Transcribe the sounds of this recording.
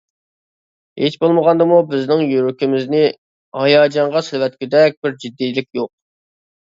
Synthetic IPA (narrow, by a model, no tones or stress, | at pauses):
het͡ʃbolˠməʁɑnd̪ɨmubɪznɪŋjyɾykʲimɪznɪ | hɑjɑːd͡ʒɑɴʁɑsɪlwɛt̪̚kʲyd̪ɛk̚ʲb̥ɪɾd͡ʒid̪ːijlɪk̚ʲjoq̚